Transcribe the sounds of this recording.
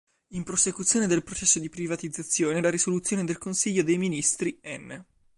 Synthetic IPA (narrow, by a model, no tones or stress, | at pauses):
impɾosekut̪sːjoːned̪elpɾot͡ʃɛsːod̪ipɾivat̪id̪zːat̪sːjoːnelaɾisolut̪sjoːned̪elkonsiʎːod̪ejminist̪ɾiɛnː